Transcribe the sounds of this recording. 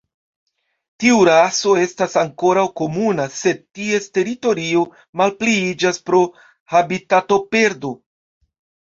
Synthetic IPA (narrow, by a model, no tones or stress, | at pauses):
tiuɾaso̞e̞stasaŋko̞ɾawko̞munase̞d̚tie̞ste̞ɾito̞ɾio̞ | malpliid͡ʒaspɾo̞ | habitato̞pe̞ɾdo̞